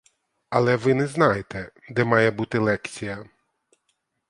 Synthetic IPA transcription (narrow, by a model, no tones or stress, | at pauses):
ɐlˠɛʋɪnɛznɑjet̪ɛd̪ɛmɑjɛbut̪ɪlˠɛkt͡sʲijɐ